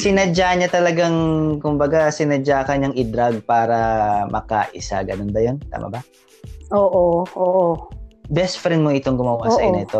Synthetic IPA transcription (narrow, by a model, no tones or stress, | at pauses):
sɪnɐd͡ʒaɲɐt̪ɐlɐɡaŋkʊmbɐɡasɪnɐd͡ʒaːkɐɲɐŋʔɪd̪ɾaɡ̚paːɾɐmʔɐ̰kɐ̰ʔɪ̰sa̰ɡɐnonbɐjont̪a̰ːmɐ̰bɐ | ʔoːʔoʔoːʔobɛst̪fɾɛnmoɪt̪oŋɡʊmaːwasɐʔnɪt̪o